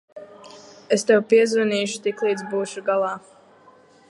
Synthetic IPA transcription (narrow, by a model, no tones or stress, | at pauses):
est̪ɛwpiɛzvaniːʃu̥t̪iklˠiːd̪zbuːʃuɡalˠɑː